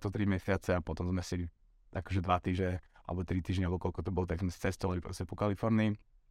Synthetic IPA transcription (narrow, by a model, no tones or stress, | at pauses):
t̪ɔt̪ɾimjɛsɪat͡sɛapɔt̪ɔmzmɛsɛli | akɔʒɛd̪ʋat̪iːʒɲɛa̰lɛ̰bɔt̪ɾit̪iːʒɲɛalɛbɔkɔlkɔt̪ɔbɔlɔt̪aɡzmɛsi̥t͡sɛst̪ɔʋalipɾɔ̰scɛpɔkalifɔɾniː